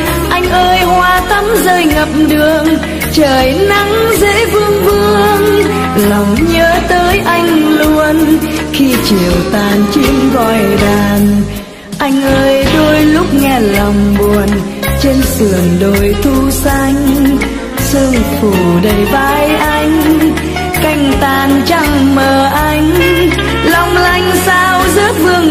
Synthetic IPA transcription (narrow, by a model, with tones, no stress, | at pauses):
ʔa˧jŋ̟ʔəː˧jhwaː˧t̪ə˨˦mzəː˧jŋə˨˩p̚ɗɨ˧˨əŋ | t͡ɕəː˨˩jna˨˦ŋzḛ˧˥vɨ˧əŋvɨ˧ə˧əŋ | la˨˩wŋ͡mɲəː˨˦t̪əː˨˦jʔa˧jŋ̟lu˧ən | xi˧t͡ɕi˨˩əwt̪aː˨˩nt͡ɕi˧ŋkɔ˧˩jɗaː˨˩n | ʔa˧jŋ̟ʔəː˧jɗo˧jlʊ˦˥k͡p̚ŋɛ˧lɔ˨˩wŋ͡mɓu˨˩ən | t͡ɕe˧nsɨ˨˩ənɗo˨˩jt̪ʰu˧sa˧jŋ̟ | sɨ˧əŋfu˧˩ɗə˨˧˩jvaː˧˦jʔa˧jŋ̟ | ka˧jŋ̟t̪aː˨˩nt͡ɕa˧ŋməː˨˩ʔa˧jŋ̟ | lɔ˨˩wŋ͡mla˧jŋ̟saː˧wzə˦˥t̚vɨ˧əŋ